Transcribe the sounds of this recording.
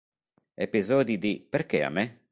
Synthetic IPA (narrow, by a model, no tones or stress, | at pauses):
epizɔːd̪id̪ipeɾkea̰mːɛ